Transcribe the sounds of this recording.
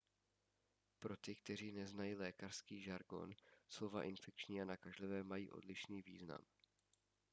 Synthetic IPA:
pɾo̞t̪ɪkt̪ɛr̝iːnɛznajilɛːkar̥skiːʒaɾɡo̞̰nslo̞vaʔɪnfɛk̚t͡ʃɲiːanakaʒlɪvɛːmajḭːʔo̞̰dlɪʃniːvḭːzna̰m

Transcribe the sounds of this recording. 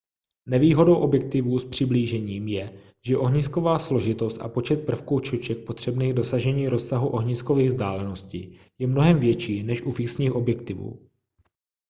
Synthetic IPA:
nɛviːɦo̞do̞wʔo̞bjɛk̚t̪ɪvuːspr̝̥ɪbliːʒɛɲiːmjɛ | ʒ̥ɛʔo̞ɦɲisko̞vaːslo̞ʒɪt̪o̞st̪ʔa̰po̞t͡ʃɛt̪̚pr̩fkuːt͡ʃot͡ʃɛk̚pot̪r̝̥ɛbniːɣdo̞saʒɛɲiːɾo̞ssaɦuʔo̞ɦɲiːsko̞viːɣzdaːlɛno̞scɪ | jɛmno̞ɦɛmvjɛt͡ʃiːnɛʃʔufɪksɲiːxʔobjɛk̚t̪ɪvṵː

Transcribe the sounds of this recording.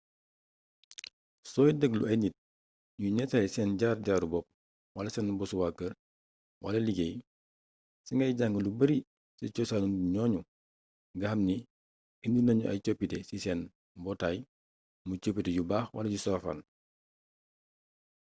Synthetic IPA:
sɔːjidəɡlṵɐjnit̚ | ɲuɲɛsɐlɛsɛnɟaːɾɟaːɾubɔp̚ | walɐsɛnbɔsuwakːəɾ | walɐliɡej | siŋɡɐjɟaŋɡəlubəɾi | sɐt͡ʃɔsanunuɲɔːɲu | ɡɐhɐmni | indinɐɲuʔɐ̰t͡ʃopːitɛsisɛːn | bɔtaj | mut͡ʃopːitɛɟubaːxwɐ̰lɐɟusɔfa̰n

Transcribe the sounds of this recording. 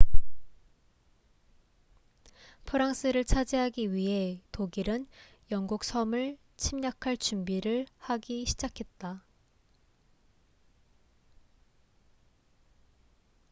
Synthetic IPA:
pʰɯɾaŋs͈ʰɯɾɯɭt͡ɕʰad͡ʑeɦaɡiɥiɦe̞toɡiɾɯn | jʌŋɡuk̚sʰʌmɯɭ | t͡ɕʰimɲakʰaɭt͡ɕumbiɾɯɭhaɡiɕʰid͡ʑakʰe̞t̚t͈a

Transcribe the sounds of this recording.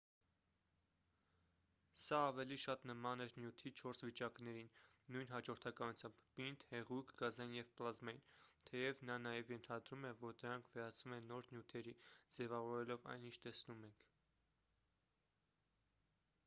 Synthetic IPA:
sɑːvɛliʃɑt̪nəmɑnɛɾnjut̪ʰit͡ʃʰɔɾsvit͡ʃɑknɛɾinːujnɦɑd͡ʒɔɾt̪ʰɑkɑnut͡sʰjɑmbːint̪hɛʁujkʰɡɑzɑjinjɛvplɑzmɑjint̪ʰɛjɛvnɑnɑjɛvjɛnt̪ʰɑd̪ɾumɛvɔɾd̪əɾɑŋkʰvɛɾɑt͡sʰumɛnːɔɾnjut̪ʰɛɾid͡zɛvɑvɔɾɛlɔvɑ̰jnint͡ʃʰt̪ɛsnumɛŋkʰ

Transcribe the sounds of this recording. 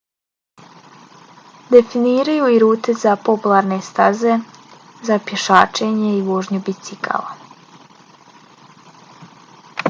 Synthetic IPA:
d̪e̞finiːɾajuiɾuːt̪e̞zapo̞pulˠaːɾne̞st̪aze̞ | zapjeʃaːt͡ʃe̞ɲeiʋo̞ːʒɲubit̪sikʰa̰la

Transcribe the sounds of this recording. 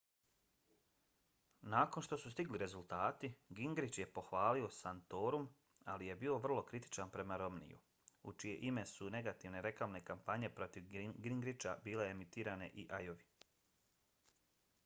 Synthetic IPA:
naːko̞nʃt̪o̞sust̪iɡliɾe̞zulˠt̪aːt̪iɡiŋɡɾit͡ʃje̞po̞xʋaːlio̞sant̪o̞ːɾum | a̰lije̞bio̞ʋr̩lˠo̞kɾit̪i̥t͡ʃanpɾe̞maɾo̞mnḭjṵ | ut͡ʃije̞̰ʔime̞sune̞ɡat̪iʋne̞ɾe̞klamne̞kampaɲe̞pɾo̞t̪iʋɡɾiŋɡɾit͡ʃabiːle̞emit̪iːɾane̞ʔiʔajoʋi

